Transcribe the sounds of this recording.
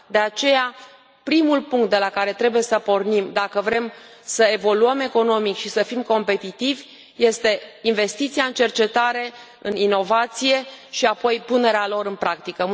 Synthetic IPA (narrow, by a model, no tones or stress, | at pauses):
d̪e̞at͡ʃe̞ja | pɾimulpuŋkt̪̚d̪e̞lakaɾe̞t̪ɾe̞buje̞səpo̞rnimd̪akəvɾe̞msəe̞vo̞luəme̞ko̞no̞mikʃisəfimko̞mpe̞t̪it̪ivʲ | je̞st̪e̞inve̞st̪it̪siaɨnt͡ʃe̞rt͡ʃe̞t̪aɾe̞ | ɨnino̞vat̪sije̞ʃiapo̞jpune̞ɾealo̞ɾɨnpɾakt̪ikə